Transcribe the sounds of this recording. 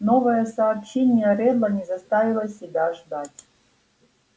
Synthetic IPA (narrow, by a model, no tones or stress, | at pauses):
novəjəsɐːpɕenʲɪjəɾʲɛd̪lˠənʲɪzɐst̪avʲɪlˠəsʲɪbʲaʐd̪atʲ